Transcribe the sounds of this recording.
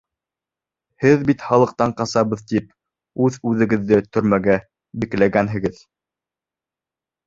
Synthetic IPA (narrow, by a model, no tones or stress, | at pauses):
hɘðbit̪χɑlˠɤ̆q̚t̪ɑɴqɑsɑβɤ̆ðt̪ip̚ | ʉðʉðɘ̆ɡɘ̆ðːɘt̪ɵ̆ɾmæɡæ | biklæɡænɦɘ̆ɡɘð